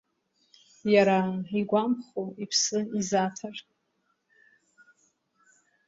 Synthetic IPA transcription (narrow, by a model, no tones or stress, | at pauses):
jaɾaiɡʷampχoipʰsɨizatʰarʼ